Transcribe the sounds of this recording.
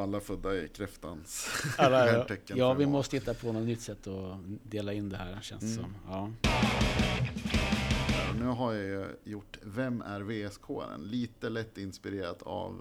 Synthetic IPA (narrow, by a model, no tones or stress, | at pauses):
alːafɵd̪ːaɪkʰɾɛft̪ansalːaʈʰɛkːəjɑːvɪmɔst̪əhɪt̪ːapʰɔnɔt̪nʏt̪ːsɛt̪ːɔd̪eːlaɪnːd̪ɛhæːɾɕɛ̰nssɔmjɑː | ɾnʉ̟ːɦaɾjajɵjʊʈːvɛmːæɾveːɛskʰo̰ːɾə̰nliːt̪əlɛt̪ːɪnspɪɾeːɾat̪a̰v